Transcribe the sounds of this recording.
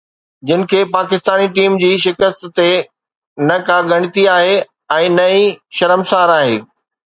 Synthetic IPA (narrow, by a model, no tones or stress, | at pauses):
d͡ʑɪnɪ̆kʰeːpaːkɪst̪aːniʈiːmd͡ʑiːʃɪkəst̪ːe | nɐkaɠɐɽ̃ɪt̪iaːɦe | ɛ̃ːnɐiʃɐɾəmsaːɾaːɦḛː